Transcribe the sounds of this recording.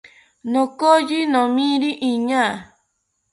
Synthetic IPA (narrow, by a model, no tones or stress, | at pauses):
nõkojinõmĩɾiʔiɲã